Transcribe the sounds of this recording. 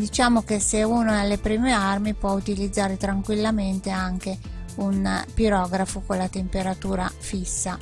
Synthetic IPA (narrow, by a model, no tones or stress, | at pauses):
d̪it͡ʃaːmok̟eseunoɛalːepɾiːmearmipwɔut̪ilid̪zːaːɾet̪ɾaŋkwilːament̪eaŋkeunpiɾɔːɡɾafokolːat̪empeɾat̪uːɾafisːa